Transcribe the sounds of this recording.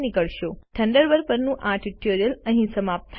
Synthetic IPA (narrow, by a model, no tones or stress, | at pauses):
nɪkəɭʃoʈʰəɳɖəɾbəɾpəɾnũʔãʈiʈoɾijələ̃ɦĩsəmap̚t̪ʰ